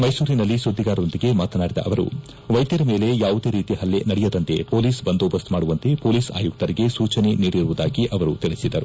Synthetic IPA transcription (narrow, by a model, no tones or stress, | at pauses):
mɐjsuːɾinɐlːisud̪ʱːiɡaːɾɐond̪iɡe̞maːt̪ɐnaːɽid̪ɐ̰ʔɐʋɐɾṵ | ʋɐjd̪jɐɾɐmeːle̞jaːʋud̪e̞ːɾiːt̪iɦɐlːe̞nɐɽɛjɐd̪ɐnt̪e̞poːliːsbɐnd̪oːbɐst̪maːɽuʋɐnt̪e̞poːliːsa̰ːjuk̚t̪ɐɾiɡe̞suːt͡ʃɐne̞niːɽiɾuʋud̪aːɡiʔɐʋɐɾut̪iɭisid̪ːɐɾu